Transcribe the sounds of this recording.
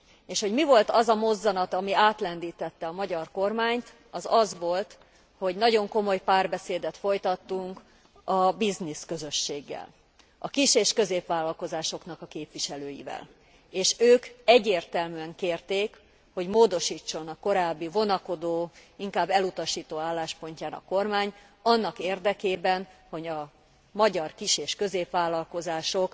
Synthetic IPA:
eːʃho̞ɟmivo̞lt̪ɒzɒmo̞zːɒnɒt̪ɒmiaːt̪lɛnd̪iːt̪ɛt̪ːɛɒmɒɟɒrko̞rmaːɲt̪ | ɒzɒzʋo̞lt̪ | ho̞ɟnɒɟo̞ŋko̞mo̞jpaːrbɛseːd̪ɛt̪fo̞jt̪ɒt̪ːuŋk | ɒbizniskø̞zø̞ʃːeːɡːɛ̰l | ɒ̰kiʃeːʃkø̞zeːpʋaːlːɒlko̞zaːʃo̞knɒkɒkeːpʋiʃɛløːjḭvɛ̰l | eːʃøːkɛɟːeːrt̪ɛlmyɛŋkeːrt̪eːk | ho̞ɟmoːd̪o̞ʃiːt͡ʃːo̞nɒko̞ɾaːbːivo̞nɒko̞d̪oːiŋkaːbːɛlut̪ɒʃiːt̪oːaːlːaːʃpo̞ɲcaːnɒ̰ko̞rmaːɲ | ɒnːɒkeːrd̪ɛkeːbɛnho̞ɟɒ | mɒɟɒrkiʃeːʃkø̞zeːpʋaːlːɒlko̞zaːʃo̞k

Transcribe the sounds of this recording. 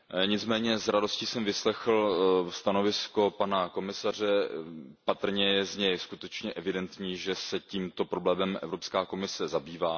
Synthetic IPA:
ɲɪt͡smɛːɲɛzɾado̞scisɛmvɪslɛxl̩st̪ano̞vɪsko̞panako̞mɪsar̝ɛpat̪r̩ɲɛjɛzɲɛjskut̪ɛt͡ʃɲɛʔɛvɪdɛnt̪ɲiːʒɛsɛciːmt̪o̞pɾoblɛːmɛmʔɛ̰vɾo̞pskaːko̞mɪsɛzabiːvaː

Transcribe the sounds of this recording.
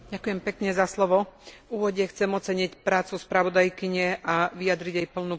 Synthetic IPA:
ɟakujɛmpɛkɲɛzaslɔʋɔuːʋɔɟɛxt͡sɛmɔtt͡sɛɲicpɾaːt͡suspɾaʋɔd̪ajkiɲɛʔaʋijad̪ɾiɟɛjpl̩nu

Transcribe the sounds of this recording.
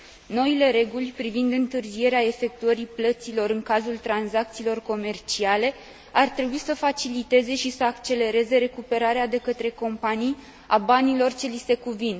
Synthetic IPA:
no̞ile̞ɾe̞ɡulʲpɾivind̪ɨnt̪ɨrzie̞ɾeae̞fe̞k̚t̪uəɾiplət̪silo̞ɾɨŋkazult̪ɾanzak̚t̪siːlo̞rko̞me̞rt͡ʃiale̞ | art̪ɾe̞buisəfat͡ʃilit̪e̞ze̞ʃisəakt͡ʃe̞le̞ɾe̞ze̞ɾe̞kupe̞ɾaɾead̪e̞kət̪ɾe̞ko̞mpanij | a̰banilo̞rt͡ʃe̞lise̞kuvin

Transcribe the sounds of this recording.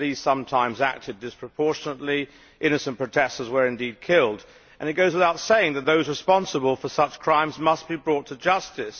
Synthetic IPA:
ðiz̥sʌ̃mtʰãɪ̃mzæ̰k̚tʰɨdɨspʰɹ̥əpʰɔɹʃɨnətˡli | ʔɪ̃nɨsɨ̃npɹ̥oʊtʰɛstəzwə˞ɨ̃ndid̚kʰɪlˠd | ʔɨ̃ñɨt̚ɡ̥oʊzwəðaʊtseɪɪ̃ŋðɨt̪̚ðoʊzɹɨspɑ̃nsəbəl̩ˠfə˞sʌt͡ʃkʰɹ̥ãɪ̃mzmʌs̚b̥ibɹɔtʰɨd͡ʒʌstɨs

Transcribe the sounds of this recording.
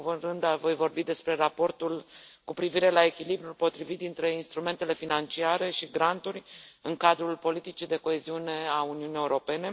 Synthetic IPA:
vurɨnd̪avo̞jvo̞rbid̪e̞spɾe̞ɾapo̞rt̪ulkupɾiviɾe̞lae̞kʲilibɾulpo̞t̪ɾivit̪̚d̪int̪ɾe̞inst̪ɾume̞nt̪e̞le̞finant͡ʃiaɾe̞ʃiɡɾant̪uɾʲɨŋkad̪ɾulpo̞lit̪it͡ʃid̪e̞ko̞e̞ziune̞auniunije̞uɾo̞pe̞ne̞

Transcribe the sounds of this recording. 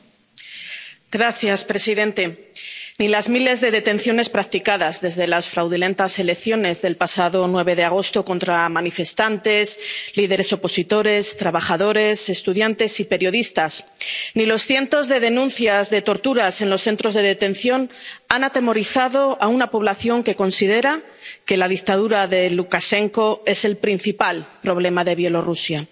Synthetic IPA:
ɡɾaθjaspɾe̞siðe̞nt̪e̞nilazmile̞zðe̞ðe̞t̪e̞nθjo̞ne̞spɾak̚t̪ikaðazðe̞zðe̞lasfɾawðulẽ̞nt̪ase̞le̞kθjo̞ne̞zðe̞lpasaðo̞nwe̞β̞e̞ðe̞aɣ̞o̞st̪o̞ko̞nt̪ɾamanife̞st̪ant̪e̞zliðe̞ɾe̞so̞po̞sit̪o̞ɾe̞st̪ɾaβaχaðo̞ɾe̞se̞st̪uðjant̪e̞sipe̞ɾjo̞ðist̪asnilo̞sθje̞nt̪o̞zðe̞ðe̞nũnθjazðe̞t̪o̞ɾt̪uɾase̞nlo̞sθe̞nt̪ɾo̞zðe̞ðe̞t̪e̞nθjo̞nanat̪e̞mo̞ɾiθaðo̞aunapo̞β̞laθjo̞ŋke̞ko̞nsið̞e̞ɾa | ke̞laðikt̪aðuɾaðe̞lukaʃe̞ŋko̞e̞se̞lpɾin̟θipalpɾo̞βle̞maðe̞β̞je̞lo̞rusja

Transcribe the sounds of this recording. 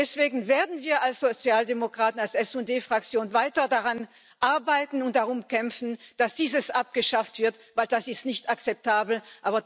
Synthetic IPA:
dɛsv̥eːɡŋ̩veːɐdn̩viːɐalsz̥ot͡sjaːldemokʁ̥aːtn̩alsɛsʊdeːfʁ̥ak̚t͡sjoːnvaɪtɐdaʁan | ʔaɐbaɪtn̩ʊnt̚d̥aʁʊmkɛmfn̩d̥asd̥iːzəsʔap̚ɡ̥əʃaftv̥ɪɐtvaɪld̥asɪstnɪçtak̚t͡sɛp̚tʰaːbl̩ʔaːbɐ

